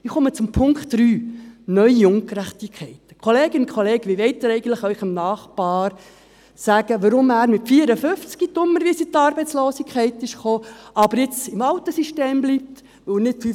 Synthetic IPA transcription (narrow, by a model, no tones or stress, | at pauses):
ɪχɔmət͡sʊmpʰʊŋkχtɾyːnœʏiʊŋkɾæχtikʰːɛɪtə̥kʰχoleːɡ̥ənʊnkʰɔleːɡ̥əʋiʋɛɪtːɪɾɛɪɡən̩tləχœʏχəmnɑːχpɑːɾ | sæɡ̥əʋəɾʊmæːɾmɪtfiəɾəfʏft͡skitʊmːəɾʋisit̪ɑːɾbɛɪt͡sloːsikʰɛɪtɪʃχoːʔɑbəɾjɪt͡sɪmɑwt̪əsiʃteːmblip̚t̪ | ʋɵnɪtfy